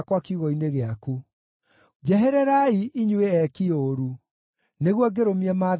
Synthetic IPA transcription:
kwakiuɣɔineɣeaku | d͡ʑɛɦɛɾɛɾaiʔiɲweɛkioɾu | neɣwɔɡeɾomiɛma

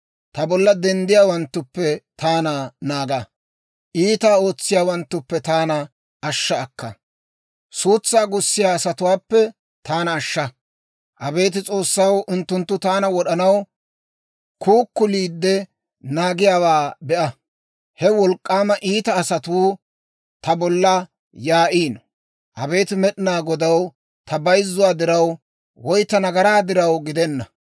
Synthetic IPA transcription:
t̪ɐbɔlːɐd̪ɛnd̪ɪjaːwɐnt̪ːʊpːɛt̪ʰaːnanaːɡɐ | ʔiːt̪aːo̞ːt͡sːɪjaːwɐnt̪ːʊpːɛt̪aːnɐ | ʔɐʃːɐːkːɐ | suːt͡sːaːɡʊsːɪjaːsɐt̪ʊwaːpːɛ | t̪aːnɐːʃːɐ | ʔɐbe̞ːt̪̬ɪt͡sʼo̞ːsːɐwʊnt̪ːʊnt̪ːʊt̪aːnɐwɔɗɐnɐw | kuːkːʊliːd̪ːɛ | naːɡɪjaːwaːbɛʔɐ | hɛwɔlkʼːaːmɐʔiːt̪ɐːsɐt̪uː | t̪ɐbɔlːɐ | jaːʔiːn | ʔɐbe̞ːt̪ɪmɛɗɪnaːɡɔd̪ɐw | t̪ɐbɐjzːʊwaːd̪ɪɾɐw | wɔjt̪ːɐnɐɡɐɾaːd̪ɪɾɐwɡɪd̪ɛnːɐ

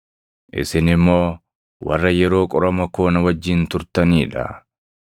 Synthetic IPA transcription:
ʔɪ̰sɪnɪmːo̞ː | wɐ̰rːɐjɛɾo̞ːkʼɔɾɐmɐko̞ːnɐwɐd͡ʒːɪnt̪ʊɾt̪ɐniːᶑɐ̰

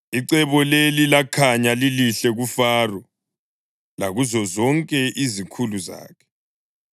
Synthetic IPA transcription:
iǀɛβɔlelilakʰaɲaliliɬɛɣufaːrɔ | laɣuzɔzɔŋkʼɛʔizikʰuluza̰ːkʰɛ̥

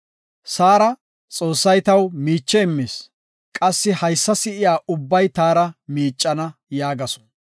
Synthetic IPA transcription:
saːɾɐ | t͡sʼo̞ːsːɐjt̪ɐwmiːt͡ʃːɛɪmːeːs | kʼɐsːɪhɐjsːɐsɪɪjaːʔʊbːɐjt̪aːɾɐmiːt͡ʃʼːɐnɐjaːɡɐsɔ̥

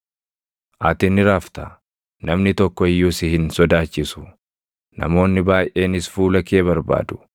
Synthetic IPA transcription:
ʔɐt̪ɪnɪɾaːft̪ɐ | nɐmnɪt̪ɔkːɔɪjːuːsɪhɪnsɔd̪aːt͡ʃːɪsʊ̥ | nɐ̰mo̞ːnːɪbaːjʔe̞ːnɪsfuːlɐke̞ːbɐɾba̰ːd̪ʊ̥

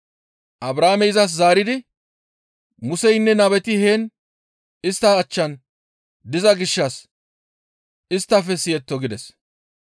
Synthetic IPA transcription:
ʔɐbɾaːmɛjzɐs̬zaːɾɪd̪ɪ | mʊsɛjnːɛnɐbɛt̪ɪheːn | ɪst̪ːɐːt͡ʃːɐn | d̪ɪzɐɡɪʃːɐs | ɪst̪ːɐfɛsɪjɛt̪ːɔɡɪd̪ɛs

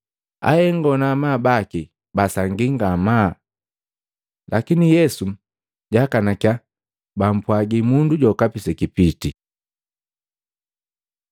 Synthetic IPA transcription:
a̰hɛŋɡɔnamaːbaki | basaŋɡiŋɡamaː | lakinijɛsu | ɟakanakja | bam̩pwaɡimunduɟɔkapisɛkipiti

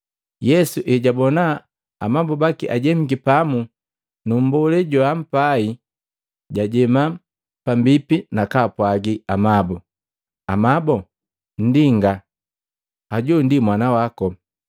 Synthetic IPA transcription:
jɛsuʔɛɟabɔna | amabubakiʔaɟɛm̩ɡipamu | num̩bɔlɛɟɔam̩pai | ɟaɟɛma | pambipinakapwaɡiamabɔ | amabɔ | n̩diŋɡa | aɟundimwanawakɔ

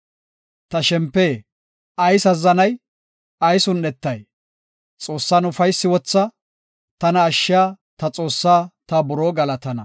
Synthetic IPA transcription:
t̪ɐʃɛmpːeː | ɐjsɐzːɐnɐj | ɐjsʊnːɛt̪ːɐj | t͡sʼo̞ːsːaːnʊfɐjsːɪwɔt͡sːɐ | t̪ɐnɐːʃːɪjaː | t̪ɐt͡sʼo̞ːsːaːt̪ɐbʊɾoːɡɐlɐt̪ɐnɐ

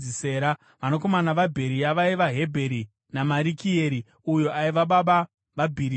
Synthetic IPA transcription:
iseːɾa | ʋano̞ko̞manaʋabʱe̞ɾijaʋaiʋaɦe̞bʱe̞ɾi | namaɾikʰieɾi | ujo̞ʔaiʋaɓaɓa | ʋabʱiɾi

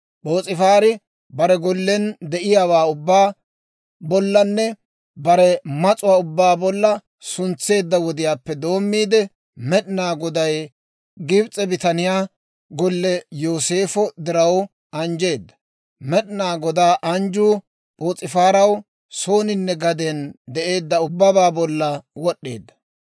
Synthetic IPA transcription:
ɓo̞ːt͡sʼɪfaːɾɪ | bɐɾɛɡɔlːɛnd̪ɛʔɪjaːwaːʊbːaː | bɔlːɐnːɛ | bɐɾɛmɐt͡sʼʊwaːʊbːaːbɔlːɐ | sʊnt͡sːe̞ːd̪ːɐwɔd̪ɪjaːpːɛd̪o̞ːmːiːd̪ɛ | mɛɗɪnaːɡɔd̪ɐj | ɡɪbt͡sʼɛbɪt̪ɐnɪjaː | ɡɔlːɛjo̞ːse̞ːfɔd̪ɪɾɐw | ɐnd͡ʒe̞ːd̪ːɐ̥ | mɛɗɪnaːɡɔd̪aːʔɐnd͡ʒuː | pʼoːt͡sʼɪfaːɾɐw | so̞ːnɪnːɛɡɐd̪ɛnd̪ɛʔe̞ːd̪ːɐʊbːɐbaːbɔlːɐwɔɗːe̞ːd̪ːɐ̥

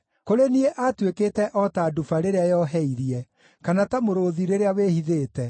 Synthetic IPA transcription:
koɾenieʔatweketɛʔɔtaːdufaɾeɾeajɔɦɛiɾiɛ | kanatamoɾoðiɾeɾeawehiðeːtɛ

